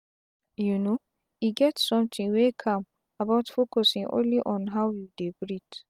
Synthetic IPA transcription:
juno | iɡɛtsɔ̃mtĩŋwekʰãm | abaʊtfokɔsĩŋʔõ̰nliʔɔ̃nɦaʊjudebɹit

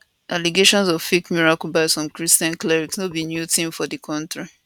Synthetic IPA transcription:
ʔaliɡeʃɔ̃nzɔv̥ffikmiɹakulbaɪsɔ̃mkɹistiãnklɛɹiksnobinjutĩmfɔdɨkʰɔ̃ntɹi

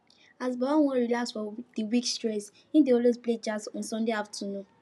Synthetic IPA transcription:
azbawaw̃ɔ̃ɹilasfɔdiwikstɹɛs | ĩdeɔlwezpled͡ʒasɔ̃nsɔ̃ndeaftʰənũn

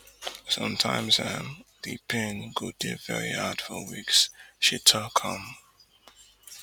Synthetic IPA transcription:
sʌ̃mtʰãɪ̃mzɨmðipʰɪ̃nɡud̥ɪvɛ̰ɹihad̥fəwiksʃitʰəkʰʌ̃m

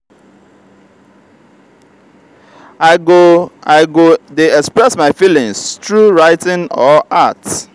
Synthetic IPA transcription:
aoaɪɡodeɛkspɹɛsmaɪfilɪ̃ŋstɹuɹaɪtɪ̃nɔʔat

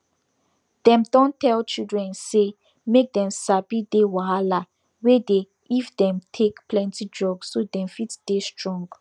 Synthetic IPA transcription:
d̥ɛ̃mdɔ̃ntʰɛlt͡ʃildɹɛ̃nse | mek̚dɛ̃msabidewaala | wede | ifdɛ̃mtʰekplɛ̃ntid͡ʒɔbsːodɛ̃mfitd̥estɹɔ̃ŋɡ

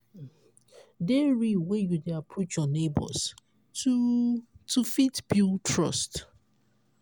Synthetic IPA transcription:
deɹiwejudeapʰɹot͡ʃjɔnebɔ̰s | u | tufitbjutʰɹɔ̰st

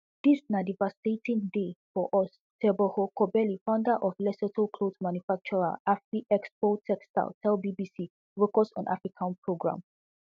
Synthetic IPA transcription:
d̥isnadivastetʰĩndefɔʔɔs | tʰɛbɔhɔkʰɔbɛlifãʊ̃ndaʔɔflɛsɛtʰəkʰlodmãnjufak̚t͡ʃɔɹa̰lafɹiʔɛkspotʰɛksta̰lˠtʰɛlbibisi | ɹokɔsɔ̰̃nʔa̰fɹikʰãnpʰɹoɡɹã̰m

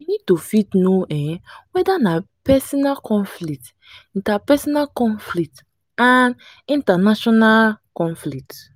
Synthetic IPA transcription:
winid̚tofitnoɛ̃wɛdanapɛsɔnalkʰɔ̃nflik̚t | ĩntapɛsɔnalkɔ̃nflikt | ãn | ĩntanaʃɔnalkɔ̃nflit

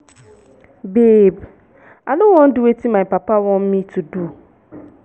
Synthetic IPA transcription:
beːb | anʊ̃wɔ̃n̩dɪwetʰimãpapawɔ̃mmĩtʰʊdu

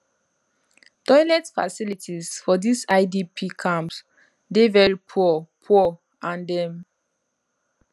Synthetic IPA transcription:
tɔjlɛtfa̰silitʰizfɔdisaɪdipʰikʰãmps | devɛɹipʰupʰu | ãndɛ̃m

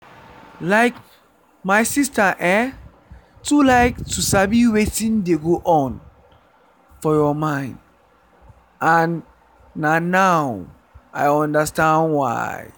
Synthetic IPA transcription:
laɪk | maɪsistaʔɛ | tulaɪk̚tʰusabiwetĩndeɡoʔɔ̃n | fɔjɔmãɪ̃nd | ʔãnː | anaʊ | ʔajɔ̃ndəstãndwa̰ɪ

